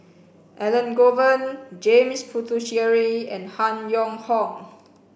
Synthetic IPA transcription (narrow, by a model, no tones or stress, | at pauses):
ʔɛlə̃nɡovə̃nd͡ʒẽmspʰutʰuʃiəɹiɛ̰̃nhãnjɔ̃ŋhɔ̃ŋ